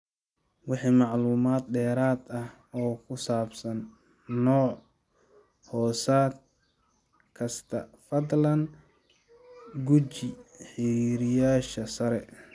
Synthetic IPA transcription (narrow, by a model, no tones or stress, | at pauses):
wɑħiːmɑʕluːmaːd̪ɖɛːɾaːd̪ɐh | ɔːkʰʊsaːbsɐnː | ɔːʕ | hɔːsaːd̪ | kʰɐst̪ʰɐfɐd̪lɐn | ɡʊt͡ʃɪħɪɾiːɾɪjaːʃɐsɐɾɛ